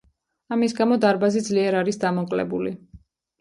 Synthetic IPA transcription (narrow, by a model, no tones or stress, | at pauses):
amis̬ɡamɔd̪aɾbazid̪zliɛɾaɾisd̪amɔkʼlɛ̰buli